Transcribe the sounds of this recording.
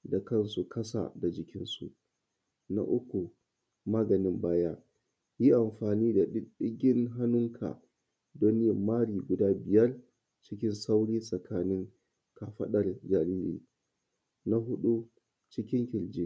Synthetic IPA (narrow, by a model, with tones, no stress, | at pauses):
da˨kɐ˦nsu˨kɐ˦sa̰˨da˨d͡ʒɪ˨kʲɪ˦nsṵ˨ʔ | na̰˦ʔʊ˦kʷu˨ | maː˦ɡɐ˨nɪ˦mbaː˦jaː˦ | ji˦ʔa˨mɸaː˨niː˦da˨ɗɪ˦ɗɪ˦ɡʲɪ˦nɦa˦nʊ˦ŋkʰa̰˨ | do˦n˦ɪ˦˨mmaː˦ɽiː˨ɡʷʊ˨daː˦bɪ˨jɐ˦r | t͡ʃɪ˦kʲɪ˦nsa˦wɽiː˦sʼɐ˨kʰaː˦nɪ˦ŋ | ka˨ɸɐ˦ɗɐ˨rd͡ʒa˨liː˦lḭː˨ | na˦ɦʊ˦ɗu˦ | t͡ʃɪ˦kʲɪ˦ŋkʲɪ˨ld͡ʒiː˦